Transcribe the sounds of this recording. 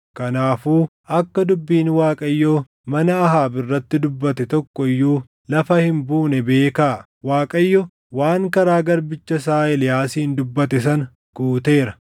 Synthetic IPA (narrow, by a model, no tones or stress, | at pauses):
kɐnaːfuː | ɐkːɐd̪ʊbːiːnwaːkʼɐjːoː | mɐnɐːɦaːbɪrːɐt̪ːɪd̪ʊbːɐt̪ɛt̪ɔkːɔɪjːuː | lɐfɐhɪmbuːnɛbe̞ːkaː | waːkʼɐjːɔ | waːŋkɐɾaːɡɐɾbɪt͡ʃːɐs̬aːɪlɪjaːsiːnd̪ʊbːɐt̪ɛs̬ɐn | ɡ̥uːt̪e̞ːɾɐ